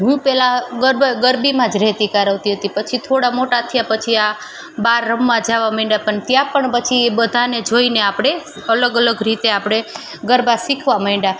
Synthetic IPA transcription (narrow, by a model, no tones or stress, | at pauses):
ɦjũpɛlaɡəɾbɡəɾbimãd͡ʒɾɛɦt̪ikaɾəʋt̪iɦət̪ipət͡ʃʰit̪ʰoɽamoʈat̪ʰijapət͡ʃʰia | baɾːəmːãd͡ʒaʋaməĩɳɖapəɳt̪jãpəɳpət͡ʃʰiebəd̪ʱaned͡ʒoineapɽ̃e | ələɡələɡɾit̪eapɽ̃e | ɡəɾbasikʰʋaməĩɖa